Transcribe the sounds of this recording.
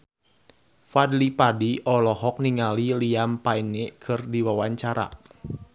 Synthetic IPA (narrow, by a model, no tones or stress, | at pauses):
fadlipadiʔɔlɔɦɔk̚niŋaliliampainekʰɨrdiwawaɲt͡ʃaɾa̰